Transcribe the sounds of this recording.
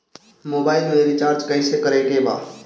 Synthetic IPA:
mobailmeɾit͡ʃaɾt͡ʃkəɪsekəɾekeba̰

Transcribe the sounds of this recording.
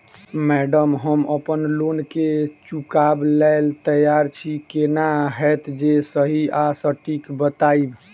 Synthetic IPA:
mɛɖəmɦəməpənlonket͡ʃukablɛɪlt̪əjaɾt͡ʃʰikenaɦɛt̪d͡ʒesəɦiasəʈikbət̪aib

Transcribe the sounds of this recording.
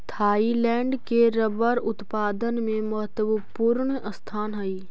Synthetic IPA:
t̪ʰaːilɛːɳɖkeɾəbəɾʊt̪paːd̪ənmẽmɐɦət̪əʋəpuːɾɳəst̪ʰaːnɦɐiː

